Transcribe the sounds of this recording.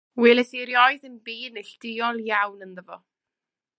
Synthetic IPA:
wɪlˠɛθiɾjɔɨðənbiːnɪɬd̥ɪɔlˠjawnənðəvɔ

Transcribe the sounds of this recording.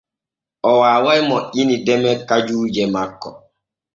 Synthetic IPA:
ʔɔwaːwajmɔʔinidɛmɛkad͡ʒuːd͡ʒɛmakːɔ

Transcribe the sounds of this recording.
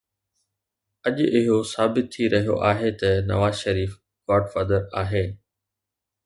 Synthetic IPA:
ɐʄɪɦosaːbɪt̪ʰːiɾɐɦijo̰ʔaːɦet̪ɐnɐ̰ʋaːzʃɐɾiːf | ɡɔːɖfaːd̪əɾaːɦeː

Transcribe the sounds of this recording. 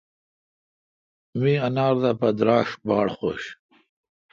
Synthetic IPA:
miɐnaːɾd̪apɐd̪ɾaːʂbɑːɽχo̰ɕ

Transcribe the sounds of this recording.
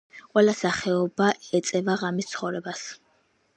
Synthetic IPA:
qʼwɛlasaχɛɔbaɛt̪sʼɛvaʁamist̪sʰχɔvɾɛbas

